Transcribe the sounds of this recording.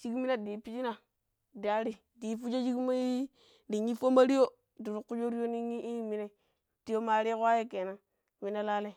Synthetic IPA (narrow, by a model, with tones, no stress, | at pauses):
t͡ʃi˦ɡmi˦na˨di˨pi˦d͡ʒi˦na˨ | da˨ɾi˦ | di˨fu˦d͡ʒo˦d͡ʒi˦ɡma˦ji˦ | di˨ɲi˦fo˦ma˦ɾi˦jo˦ | du˨ɾu˨ku˦d͡ʒo˦ɾi˦jo˦ni˦ɲi˦ʔi˦mi˦ne˦ | ti˦jo˦ma˨ɾi˦kwa˦je˦ke˨na˨ | mi˨na˦la˦le˦˨